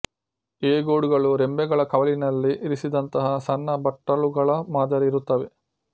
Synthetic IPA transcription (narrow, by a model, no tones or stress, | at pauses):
eːɡoːɽuɡɐɭuɾembɛɡɐɭɐkɐʋɐlinɐlːiʔːɾisid̪ɐnt̪ɐɦɐsɐnːɐbɐʈːɐɭuɡɐɭɐmaːd̪ɐɾiiɾut̪ːɐʋe̞